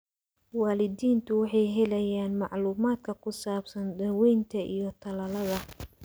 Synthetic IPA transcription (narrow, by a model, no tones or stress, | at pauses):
waːlɪdiːnt̪ʰʊwɑħɑjɦɛlɐjaːnmɑʕluːmaːd̪kʰɐkʰʊsaːbsɐndɐwɛjnt̪ʰɐʔḭjɞt̪ʰɐlɐlɐðɐ